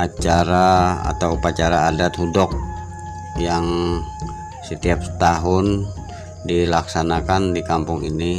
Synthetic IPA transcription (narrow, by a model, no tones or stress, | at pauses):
ʔat͡ʃaɾaa̰t̪awupat͡ʃaɾaːdat̪hudɔk̚ | jaŋ | sət̪iap̚t̪aɦʊn | dilaksanakandikampʊŋini